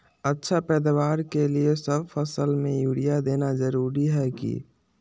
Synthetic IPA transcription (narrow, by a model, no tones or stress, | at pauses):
ətːʃʰapɛːd̪awaːɾkeliesəbfəsəlmẽjuːɽijad̪eːnazəɾuːɾiɦɛkḭ